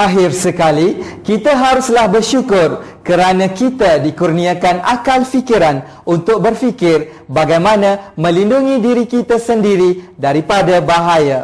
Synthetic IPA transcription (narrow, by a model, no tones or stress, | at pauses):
ʔaɦɪrsəkalikit̪aɦaɾuslahbərʃukʊrkəɾanãkit̪adikurnĩakanakalfikiɾan | unt̪ʊk̚bərfikɪr | baɡajmãnãmə̃linduŋĩdiɾikit̪asəndiɾidaɾipadabaɦaja